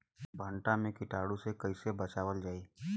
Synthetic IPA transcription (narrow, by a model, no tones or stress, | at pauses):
bʱəɳʈamẽkɪʈaːɽusekɐisebɐt͡ʃaːʋəld͡ʒaːiː